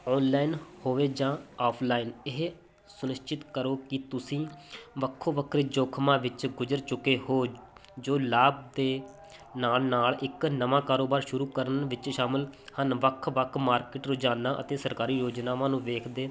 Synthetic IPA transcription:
ɔːnlaːinhoːʋeːd͡ʒãːaːpʰlaːiːnɪɦ | sʊnɪʃt͡ʃɪt̪kəɾoːkɪt̪ʊsĩːʋəkʰːoːʋəkʰɾeːd͡ʒoːkʰmãːʋɪt͡ʃɡʊd͡ʒəɾt͡ʃʊkeːhoːd͡ʒoːlaːb̚d̪eː | naːlnaːlɪknəʋãːkaːɾoːbaːɾʃʊɾuːkəɾənʋɪt͡ʃʃaːməlhənʋəkʰʋəkʰmaːɾkɪːʈɾoːd͡ʒaːnãːʔə̰t̪eːsəɾkaːɾiːjoːd͡ʒnaːʋãːnũːʋeːkʰd̪eː

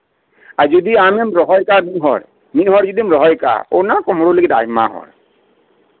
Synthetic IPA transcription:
azɔdiamɛmɹɔɦɔjkamiɦɔ̰ɹ | miɦɔɹzudimɹɔɦɔjka̰o̰nakɔmɔɹuləɡita̰jma̰ɦɔ̰ɹ

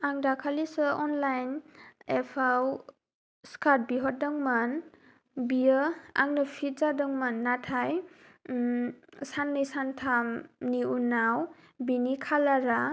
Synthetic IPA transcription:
aŋdakʰalisɯɔnlajnepʰaw | skat̚biɦɔt̚daŋman | bijəa̰ŋnɯpʰizadɯŋmanːatʰaj | sanːɯjsantʰamniunaw | binikʰalaɾa

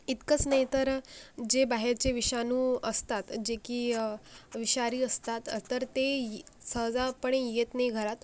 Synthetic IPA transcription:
it̪kət͡snaɦjt̪əɾd͡ʑebaɦeɾt͡ɕeʋiɕanuːəst̪at̪d͡ʑekiː | ʋiɕaɾiːəst̪at̪t̪ːəɾt̪esəɦd͡zapəɳ̃ejet̪najɡʱəɾat̪

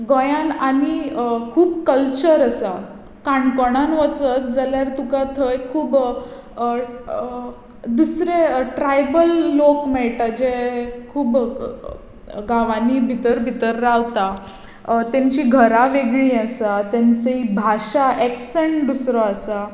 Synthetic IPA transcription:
ɡɔjãnanikʰuːbkəlt͡ɕəɾasa | kaɳkɔɽ̃anʋət͡sət̪d͡zaljaɾt̪ukat̪ʰəjkʰuːb | d̪usɾeʈɾajbəlːokmɛɭʈad͡ʑekʰuːb | ɡaʋanibʱit̪əɾbʱit̪əɾːaʋt̪a | t̪jãɲt͡ɕiɡʱəɾaʋeɡɭiːəsat̪jãɲt͡səibʱaɕaʔɛkseɳʈd̪usɾɔasa

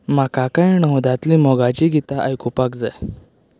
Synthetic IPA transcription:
makakãjɳəwd̪at̪limɔɡat͡ɕiɡit̪aʔajkupakd͡zaj

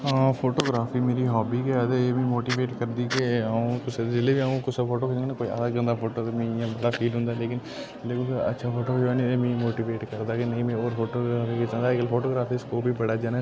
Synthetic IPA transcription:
ãːpʰoːʈoːɡɾaːfʰiːmeːɾiɦɔːbiːkead̪eeːmẽːmoːʈiːʋeːʈkəɾd̪ikeaːũkʊsd͡ʒɪlebʱiaũkʊsʰepʰoːʈoːkːt͡ʃːnãkoːia̰ːd̪aɡə̃nd̪apʰoːʈot̪emĩãbɐɽapʰiːlɦʊ̃nd̪aleːk̬ɪn | leːkʊkɐ̰tːʃʰapʰoːʈoːaːnĩemĩːmoːʈiːʋeːʈkəɾd̪aːkenɐĩmẽoːɾpʰoːʈoːɡɾaːfʰiket͡ʃãːnd̪aklpʰoːʈoːɡɾaːfʰiskoːbʱibɐɽaːd͡ʒaːna

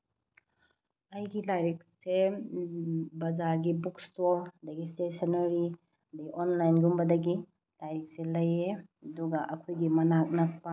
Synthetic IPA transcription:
ɐjɡilajɾik̚se | bɐzaɾɡibukstoɾdɐɡistesɐnɐɾi | dɐɡiʔonlajnɡumbɐdɐɡi | lajɾik̚selɐjeɐduɡɐʔɐkʰojɡimɐnak̚nɐk̚pa

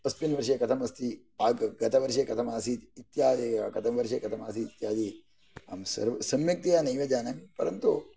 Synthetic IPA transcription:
ɐspinʋɐɾʂekɐt̪ʰɐmʋɐst̪ʰi | aːɡɡɐt̪ʰɐʋɐɾʃekɐt̪ʰɐmaːsit̪it̪jaːd̪ikɐt̪ʰɐmɐʋɐɾʃ̬eːkɐt̪ʰɐmaːsiːt̪jaːd̪i | aːmsɐ̰ɾsɐmjɐk̚t̪ijaːnɐjʋɐd͡ʒaːnɐmpɐɾɐnt̪u

